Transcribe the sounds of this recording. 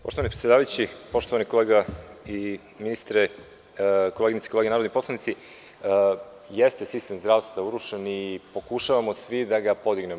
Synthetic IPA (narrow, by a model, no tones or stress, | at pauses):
poʃt̪oʋanipɾet̪jed̪aʋajut͡ɕipo̞ʃt̪o̞ʋanikoleːɡai | minist̪ɾe | koleɡinit̪i̥koleɡenaɾod̪nip̪lˠanit̪si | jest̪esist̪e̞mzd̪ɾaːʋst̪vauɾuʃenipo̞kuʃaʋamo̞sʋid̪aɡapo̞d̪iɡne̞m